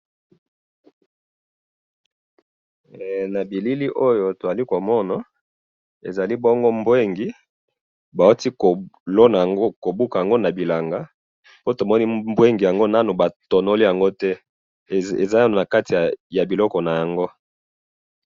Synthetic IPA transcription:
na˨bi˨li˦li˦ʔo˦jo˨to˨za˨li˦ko˨mɔ˦na˨ | e˨za˨li˦bɔ˦ŋɡo˦mbwe˦ŋɡi˨ | ba˨o˦ti˦klo˦na˨ɡo˦ko˨bu˦ka˨ja˨ŋɡo˦na˨bi˨la˨ŋɡa˨ | po˦to˨mɔ˦ni˦mbwe˦ŋɡi˨ja˨ŋɡo˦na˦nu˨ba˨to˨no˦li˦ja˨ŋɡo˦tɛ˦ | ḛ˨za˦ja˦no˨na˨ka˦ti˨ja˨bi˨lɔ˦kɔ˨na˨ja˨ŋɡo˦

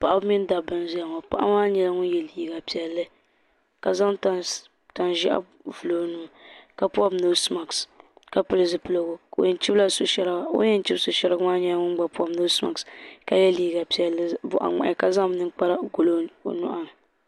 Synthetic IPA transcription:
pa˨ʔa˦bmɪ˦n˦da˨bɨ˨nzi˦a˨ŋa˨pa̰˨ʔa̰˦maː˦ɲɛ˦la˦ŋʊ˦n˦jɛ˨liː˨˦ɡa˨pi˨ɛ˨lːɨ˦ | ka˨za˦mta˨ | ta˨nʒi˦ʔa̰˦ | vu˨lo˨˦nu˦˨ka˨pu˦a˦mno˦sma˨kska˨pɨ˦lɨ˨zɨ˨pɨ˦lo˨ɡo˦˨o̰˨jɛ˨n˦t͡ʃi˦bla˦so˨ʃɛ˦ɾa˦o̰˦jɛ˦n˦t͡ʃi˦bso˨ʃɛ˦ɾɡmaː˦ɲɛ˦la˦ŋʊ˦n˦ɡ͡ba˨pu˦a˨no˦sma̰˨kska˨jɛ˦liː˦ɡa˨pi˨ɛ˨lːɨ˦bʊ˦˨ʔa̰˨ŋ͡ma̰˨ʔɪ˨ka˨za˦m˦nɨ˦ŋk͡pa˦ɾa˦ɡo˨lo̰˦˨nʊ̰˦ʔa˦ŋ˨

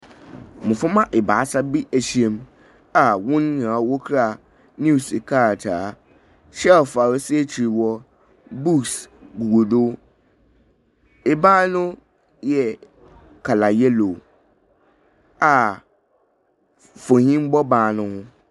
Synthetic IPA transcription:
mʊ̃˨fʊ˦mã˦ʔɪ˨baː˨a˦sa˦bi˦ʔæ˨ɕi˦ẽ˨m | a˨wʊ̃˦n˦˨ã˨wo˦kʰɾa˦˨ | nu˦˨sɪ˨kʰa˦˨tʰaː˨˦ | ɕɛ˦ɔ˨fa˨ɾɔ˨si˦e˦t͡ɕʰi˨ɾi˨wɔ˦ | bu˦˨ksɡu˨wo˨do˦ | ɪ˨baː˦nʊ̃˦ | jɛ˨ | kʰa˨la˨jɛ˦lo˨ | a˨ | fo˨hĩ˦m˦bɔ˦baː˨nʊ̃˦hʊ̃˦

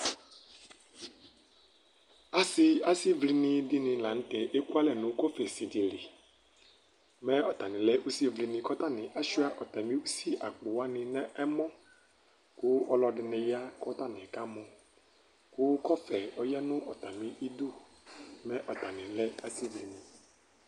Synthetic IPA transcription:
a˨sɪ˦a˦si˦vli˨nɪ̃˨dɪ˦nɪ̃˨lã˨n̩˦t̪ɛ˨ʔe˦ku˦a˦lɛ˦˨nʊ̃˨˦ko˦fɛ˨si˨di˨lɪ˨ | mɛ̃˦ɔ˨t̪a˨nɪ̃˨lɛ˦ʔu˦si˦vli˨nɪ̃˨kɔ˦t̪a˦nɪ̃˨ʔa˦ʃu˦a˦ʔɔ˨t̪a˨mĩ˦u˦si˦ʔa˨k͡pʊ˨wa˦nɪ̃˨nɛ̃˦ʔɛ˦mɔ̃˦ | kʊ˦ɔ˨lɔ˨ɖɪ˨nɛ̃˨ja˦kɔ˦t̪a˦nɛ̃˨ka˦mɔ̃˨ | kʊ˦kɔ˦fɛ˨ɔ˨jɛ˦nʊ̃˦ʔɔ˨t̪a˨mĩ˦ʔi˦d̪u˦ | mɛ̃˦ʔɔ˨t̪a˨nɪ̃˨lɛ˦a˨si˦vli˨nĩ˨

